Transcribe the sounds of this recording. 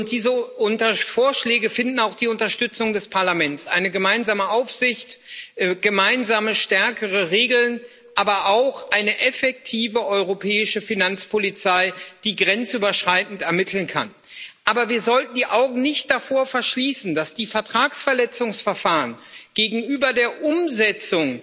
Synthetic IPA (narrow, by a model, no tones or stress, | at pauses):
ʊnt̚d̥iːzəʊntɐfoːɐʃlɛːɡəfɪndn̩aʊxd̥iːʊntɐʃtʏt͡sʊŋdɛspʰaɐlamɛnsʔa̰ɪnəɡəmaɪnzaːməʔaʊfz̥ɪçtːɡ̥əmaɪnzaːməʃtɛɐkʰəʁ̞əʁeːɡl̩n | ʔaːbɐʔaʊxʔaɪnəʔɛfɛk̚tʰiːvəʔɔʏʁopʰɛːɪʃəfinant͡spʰolit͡saɪd̥iːɡʁɛnt͡sʔyːbɐʃʁ̥aɪtn̩tɛɐmɪtʰl̩nkʰa̰n | ʔaːbɐviːɐzɔltn̩diːʔaʊɡŋ̩nɪçt̚d̥afoːɐfɛɐʃliːsn̩d̥asd̥iːfɛɐtʁ̥aːksfɛɐlɛt͡sʊŋsfɛɐfaːʁənɡ̥eːɡŋ̩yːbɐdeːɐʔʊmzɛt͡sʊŋ